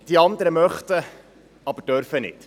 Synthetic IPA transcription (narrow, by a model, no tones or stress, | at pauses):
d̥iɑnd̪əɾəmœχt̪ə | ɑbəɾd̥œɾfənɪ̰t